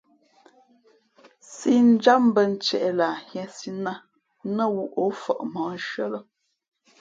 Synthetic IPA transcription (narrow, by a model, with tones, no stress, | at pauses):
si˦n̩˦d͡ʒa˦m̩˦bə˦n̩˦t͡ʃɛ̰˨ʔɛ˨la˨hjɛ̃˨si˦na˦ | nə˦˨wu˦ʔo˨˦fɔ̰˨ʔmɔ̃˨˦n̩˦ʃɰə˦lə˦